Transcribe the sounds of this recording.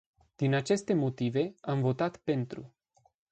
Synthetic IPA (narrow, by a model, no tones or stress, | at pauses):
d̪̥inat͡ʃe̞st̪e̞mo̞t̪ive̞amvo̞t̪at̪pe̞nt̪ɾṵ